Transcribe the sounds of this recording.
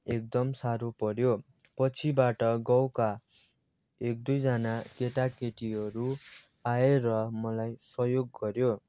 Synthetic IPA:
ek̚d̪ʌmsaɾupʌɾjo | pʌt͡sʰibaʈʌɡʌwka | ek̚d̪ujd͡zanakeʈakeʈiɦʌɾu | aeɾʌmʌlajsʌjoɡːʌɾjo

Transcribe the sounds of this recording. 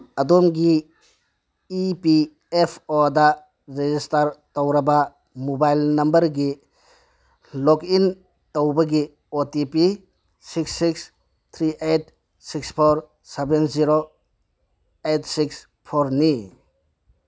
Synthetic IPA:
ɐdɔmɡi | pi | epʰodɐ | ɾezistaɾtowɾɐbɐ | mobajlnɐmbɐɾɡi | lɔkin | towbɐɡi | otipi | siksːiks | t̪ʰɾiʔejt̚ | sikspʰoɾ | sebenziɾo | et̚ʰsiks | pʰoɾni

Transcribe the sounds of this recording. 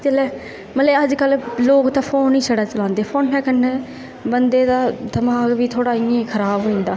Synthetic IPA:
t͡ʃəlɛː | mət̪ləəd͡ʒkəlloːkt̪ãːpʰoːnĩːsəɽaːt͡ʃəlãːnd̪eːpʰoːnɦɛːkənːeː | bənd̪eːd̪aːd̪əmaːɡbiːt̪ʰoːɽaːɪẽːkʰəɾaːbɦoːĩːnd̪aː

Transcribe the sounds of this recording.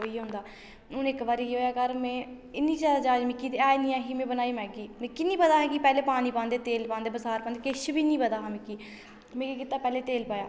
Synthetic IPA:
oːiːɦʊ̃nd̪aː | ʊnɪkbaːɾiiːɦoːjaːkəɾmẽː | ɪnːiːd͡ʒaːd̪aːd͡ʒaːd͡ʒmɪkːiːt̪eaːnĩːãːɦiːmẽːbənaːiːmɛ̃ːɡiːmẽːkɪnĩːpəd̪aːɦɛ̃ːkipɛːleːpaːniːpãːnd̪eːt̪eːlpãːnd̪eːbəsaːɾpãːnd̪eːkɪʃbiːnĩːpəd̪aːɦɛ̃ːmɪkːiː | mẽːkkɪt̪aːpɛːleːt̪eːlpaːjaː

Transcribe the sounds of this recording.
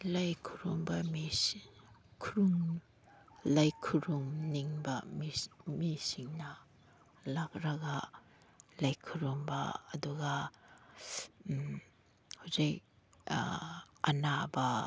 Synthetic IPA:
lɐjkʰuɾumbɐmi | kʰuɾuŋ | lajkʰuɾuŋniŋbɐmmisiŋnɐ | lak̚ɾɐɡɐ | lɐjkʰuɾumbɐːduɡɐ | hawzik̚ | ɐnabɐ

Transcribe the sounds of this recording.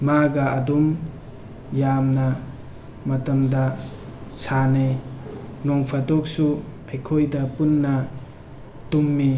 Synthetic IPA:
maɡaɐdum | jamna | mɐtɐmda | sane | nɔŋpʰatok̚su | ajkʰojdɐpunːɐ | tumːi

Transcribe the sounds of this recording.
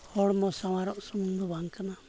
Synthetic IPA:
hɔɽmɔsaw̃aɾɔʔsumund̪ɔbaŋkana

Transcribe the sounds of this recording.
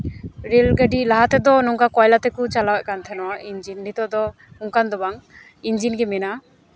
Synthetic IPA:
ɾelɡəɖilaɦat̪ɛd̪ɔnɔŋkakɔjlat̪ɛkut͡ʃalawɛʔ̚kant̪ʰɛnɔwaʔind͡ʒinːit̪ɔd̪ɔ | uŋkand̪ɔbaŋ | ind͡ʒinɡɛmɛna

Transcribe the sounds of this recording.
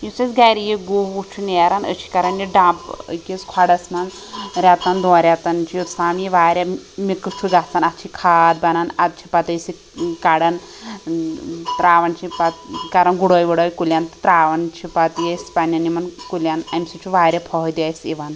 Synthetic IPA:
jusesɡajɾijiɡuʋut͡ʃʰuneɾanət͡ʃʰi̥kaɾɐnjiɖãpkiskʰaɽɐsmɐn | ɾʲat̪and̪ɔ̃ːɾʲjat̪ant͡ʃʰijut̪saːmjiʋaːɾʲamikɨt͡ʃʰuɡat͡sanat̪t͡ʃʰikʰaːd̪̚bɐnanat̪̚t͡ʃʰipat̪ɐjsi | kaɽɐn | t̪ɾaːʋant͡ʃʰipat̪kaɾɐnɡuɽɔːjʋɐɽɔjkulʲjant̪t̪ɾaːʋɐnt͡ʃʰipat̪jespanjɐnimɐnkulʲjanɐmsit͡ʃʰuʋaːɾʲjapʰɔɦd̪iajsiʋan

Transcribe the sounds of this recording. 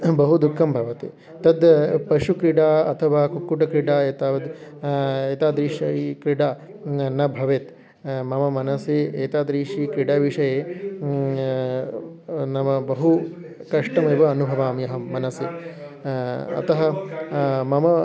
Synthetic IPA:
bɐɦud̪ukʰːɐmbʱɐʋɐt̪ḛː | t̪ɐd̪pɐʂukɾiɽaːɐt̪ʰɐʋaːkukːuʈɐkɾiɽaːeːt̪aːʋɐd̪ | eːt̪aːd̪ɾiːʃɐkɾiɽaː | nɐbʱɐʋet̪ | mɐmɐmɐnɐseːeːt̪aːd̪ɾiːʂikɾiɽaːʋiʂɐjeː | nɐmɐbɐɦu | kɐʂʈɐmeːʋɐːnubʱɐʋaːmjɐɦɐmɐnɐseː | ɐ̰t̪ɐɦɐ | mɐmɐ

